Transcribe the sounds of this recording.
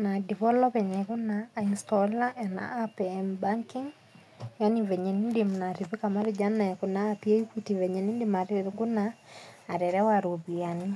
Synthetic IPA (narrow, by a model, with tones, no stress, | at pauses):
na˨di˨vɔ˦lɔ˦pɛ˨ɲɛ˨ku˦naːinstɔla˦ɛ˨na̰ː˦pembaŋki˦ŋ | ja˦nivɛ˨ɲɛ˨ni˦ndimna˨ɾi˨βi˦kama˦ɾɪd͡ʒa˦na˨ku˨naː˦pi˦e˦i˦ki˦tivɛ˨ɲɛ˨ni˦ndima˨ɾɪɾɡu˦naː˨ | ɾɛ˨ɾɛ˦waɾoβiani